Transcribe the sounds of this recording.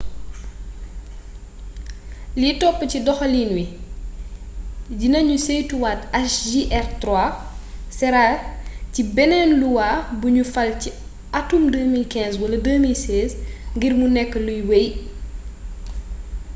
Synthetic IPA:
litɔpːəcidɔxɐlinwi | ɟinɐɲusejtuwatɐsʒiʔɛrtra | sɛɾacibɛnɛnluwabuɲufɐlci | ɐtumdəːmilkɛ̃ːnswɐlɐdəːmilsɛːzŋɡirmunɛkːəlujwej

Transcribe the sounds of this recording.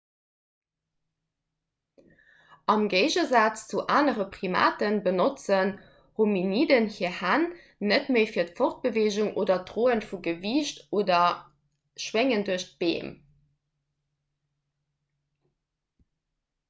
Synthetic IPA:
ɑmɡeɪʑəzaːt͡st͡suʔaːnəʁəpʁima̰ːtənbənot͡sən | hominiːdənhiːɐhænː | ətməɪfiːɐtfɔχt̚b̥əveːʑuŋʔoːdɐtʁoːənfuɡəviːɕtoːdɐ | ʃweŋənduɐɕt̚b̥ḛːm

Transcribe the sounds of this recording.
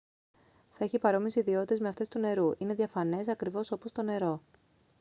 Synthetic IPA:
θɐeçipɐɾo̞misiːðio̞t̪it̪ezme̞ɐft̪e̞st̪une̞ɾuʔine̞ðʝɐfɐne̞sɐkɾivo̞so̞po̞st̪o̞ne̞ɾo̞

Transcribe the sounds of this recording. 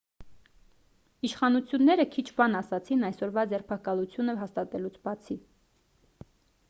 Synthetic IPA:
iʃχɑnut͡sʰjunːɛɾəkʰit͡ʃʰbɑnɑsɑt͡sʰinɑjsɔɾvɑd͡zɛrpʰɑkɑlut͡sʰjunəɦɑst̪ɑt̪ɛlut͡sʰbɑt͡sʰi

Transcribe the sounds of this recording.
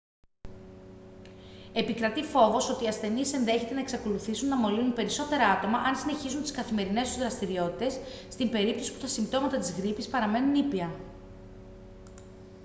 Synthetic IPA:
e̞pikɾɐt̪ifo̞vo̞so̞t̪iːɐsθe̞nise̞nðe̞çe̞t̪e̞nɐeksɐko̞luθisunːɐmo̞linunpe̞ɾiso̞t̪e̞ɾɐɐt̪o̞mɐʔɐnsine̞çizunt̪iskɐθime̞ɾine̞st̪uzɾɐst̪iɾio̞t̪it̪e̞sːt̪imbe̞ɾip̚t̪o̞si̥put̪ɐsimbt̪o̞mɐt̪ɐt̪izɣɾipispɐɾɐme̞nunipiɐ

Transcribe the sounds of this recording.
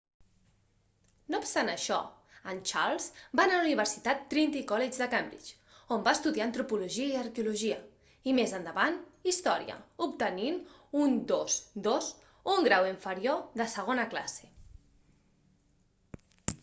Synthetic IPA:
nopst̪anəʃɔ̰ | ənt͡ʃa̰lˠzbanəluniβ̞əɾsit̪at̪ːɾint̪ikɔled͡ʒðəkambɾḭt͡ʃ | ombaəst̪uðiaənt̪ɾupuluʒiəiəɾkeuluʒiə | imezənd̪əβanist̪ɔɾiə̰upt̪əninund̪ozd̪oz | uŋɡɾawiɱfəɾioðəsəɣ̞onəkla̰se̥

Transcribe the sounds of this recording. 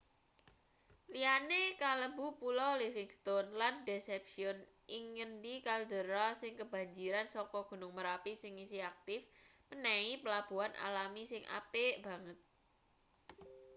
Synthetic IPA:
lianekaləbupulɔlifiŋst̪onlandesɛpʃiɔn | iŋənd̪ikald̪ə̤ɾasɪŋkəb̥a̤ɲd͡ʒiɾansɔkɔɡ̥ṳnʊŋməɾapisɪŋisiak̚t̪ɪfː | ənɛipəlab̥ṳanʔa̰lamisɪŋʔa̰peʔb̥a̤ŋət̪̚

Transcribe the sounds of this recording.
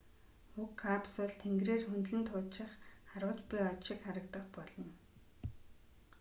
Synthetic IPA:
xukʰːapsʊɮt̪ʰeŋɡreːrxɵnt̪ɮɘ̆nt̪ʰʊːt̪ʃɪ̆χχaɾʊ̆ːt͡ɕpʲiɔtʃɪ̆kχaɾə̆kt̪ə̆χpɔɮɞ̆n

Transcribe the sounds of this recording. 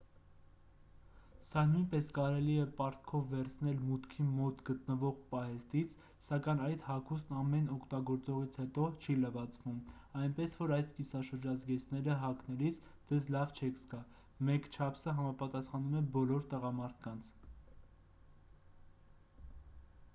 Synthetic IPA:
sɑnujnpɛskɑɾɛliɛpɑɾt̪̚kʰɔvːɛɾt͡sʰnɛlmut̪kʰimɔt̪ɡət̪nəvɔʁpɑɦɛst̪it͡sʰ | sɑkɑjnɑjt̪hɑkʰust̪nɑmɛnɔkʰt̪ɑɡɔɾt͡sɔʁit͡sʰhɛt̪ɔt͡ʃʰiləvɑt͡sʰvumɑjnpɛsvɔɾɑjskisɑʃəɾd͡ʒɑzɡɛt͡sʰnɛɾəɦɑknɛlit͡sʰ | d͡zɛzlɑvt͡ʃʰɛkʰskɑ | mɛkt͡ʃʰɑpʰsəɦɑmɑpɑt̪ɑsχɑnumɛbɔlɔɾt̪əʁɑmɑɾt̪ʰkɑnt͡sʰ

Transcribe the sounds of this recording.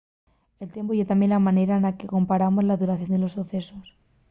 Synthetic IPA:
e̞lt̪je̞mpoʝet̪amje̞nlamane̞ɾaenlake̞ko̞mpaɾamo̞zlaðuɾaθjo̞nd̪elo̞suθe̞sos

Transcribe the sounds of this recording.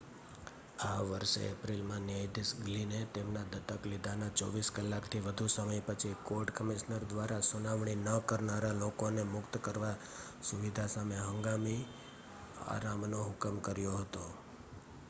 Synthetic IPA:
aʋəɾʃḛepɾilmãniajd̪isɡlinet̪emnad̪ət̪əklid̪ʱanat͡ʃɔʋiskəlːakt̪ʰiʋəd̪ʱusəməjpət͡ʃʰikoɾʈkəmiʃnəɾd̪ʋaɾasunaʋɳ̃inəkəɾnaɾalokonemʊkt̪kəɾʋa | suʋid̪ʱasameɦə̃ŋɡami | a̰ɾamnoɦʊkəmkəɾjoɦət̪o

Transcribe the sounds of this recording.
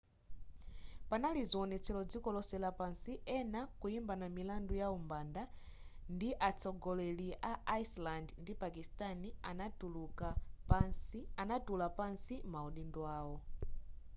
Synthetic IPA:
panaliziɔnɛt͡sʰɛlɔd͡zikɔlɔsɛlapansiɛnakujimbanamilandujaumbanda | ndiʔat͡sʰɔɡɔlɛliʔaaslandndipakistaniauluka | anatulapansimauɗindwaːwɔ

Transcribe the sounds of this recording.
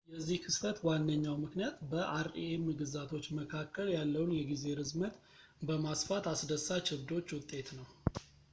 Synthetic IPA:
jɛzːihkʰɨst̪ʰət̪wanːəɲːawmɨknijat̪bəʔaɾḭemɨɡɨzat̪ʰo̞t͡ʃːməkʰakʰːəljalːəwnjɛɡize̞ɾɨzmət̪ | bəmasfat̪asd̪əsːat͡ʃʰɪβd̪o̞t͡ʃːwʊt̪ʼːe̞t̪nəw

